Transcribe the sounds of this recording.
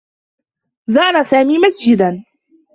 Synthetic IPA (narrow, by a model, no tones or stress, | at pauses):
zɑːɾˤasaːmiːmasd͡ʒɪd̪an